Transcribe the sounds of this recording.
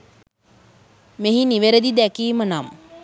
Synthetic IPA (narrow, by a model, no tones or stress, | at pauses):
meɦiniʋeɾəd̪id̪ækiːmənam